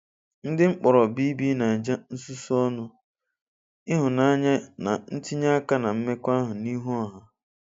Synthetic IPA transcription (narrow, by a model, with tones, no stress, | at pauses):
n̩˦dɪ˦ŋ͡m̩˦k͡pɔ˨ɾɔ˨bi˦bi˦na˨d͡ʒa˦n̩˦su˦su˦ɔ˦nʊ˦ | ɪ˦ɦʊ˨na˦a˦ɲa˦na˨n̩˦ti˦ɲa˦ka˦na˨m̩˦me˦kʷa˦ɦʊ˨ni˦ɦu˦ɔ˦ɦa˨